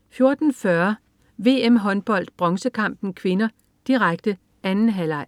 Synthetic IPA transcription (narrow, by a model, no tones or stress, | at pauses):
fjo̝ɐd̥n̩fɶɐ | ʋe̝̰ːemɦɒ̽nb̥ɒ̽l̰d̥̚b̥ʁɒ̽ŋsəkʰɑ̈m̰b̥n̩kʰʋe̝nɐ | d̥iʁaɡ̥̚d̥ə | ænn̩ɦælɑ̈ɪ̰